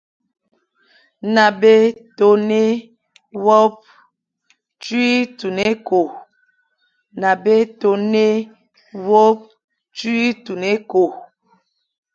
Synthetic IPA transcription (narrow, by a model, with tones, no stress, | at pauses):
na˨be˦to˨ne˦ | wɔ˦p̚ | t͡ʃɥi˦tu˨ne˦ko˨ | na˨be˦to˨ne˦ | wo˦p̚ | t͡ʃwi˦tu˨ne˦ko˨